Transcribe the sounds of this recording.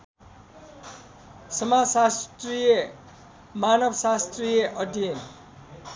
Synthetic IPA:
sʌmasast̪rije | manʌbʌsast̪rijʌʔʌd̪ʱin

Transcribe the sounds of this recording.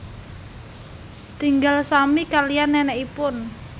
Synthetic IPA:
t̪iŋɡalsamikalijanːɛnɛʔipʊn

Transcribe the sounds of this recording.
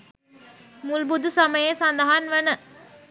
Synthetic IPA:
mulbud̪usaməjesand̪ɐɦanʋənə

